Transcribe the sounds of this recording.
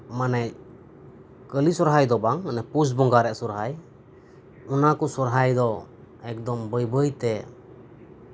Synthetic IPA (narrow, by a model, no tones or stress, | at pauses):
manɛ | kəlisɔɾɦajd̪ɔbaŋnɛpus̬bɔŋɡaɾɛʔsɔɾɦaj | ɔnakɔsɔɾɦajd̪ɔ | ɛk̚d̪ɔmbəjbəjt̪ɛ